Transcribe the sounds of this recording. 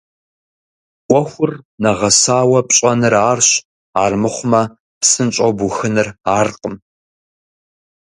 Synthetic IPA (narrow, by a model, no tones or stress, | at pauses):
kʷʼɔxʷʊrnɐʁɐsaːwɐpʼɕʼɐnɨraːrɕ | aːrmɨχʷʊmɐ | psɨnt͡ʃʼɐwbʊxɨnɨraːrqəm